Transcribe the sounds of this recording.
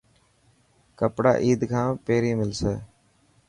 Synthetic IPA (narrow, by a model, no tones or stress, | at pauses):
kəpɽa̰ːʔiːd̪kʰãːpeːɾiːmɪlseː